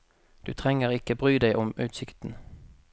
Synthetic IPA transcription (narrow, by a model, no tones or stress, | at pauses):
d̪̥ʉ̰ːt̪ʰʁɛŋəʁɪkəbʁyːd̪æɪʔʊmʉːt̪sɪkt̪n̩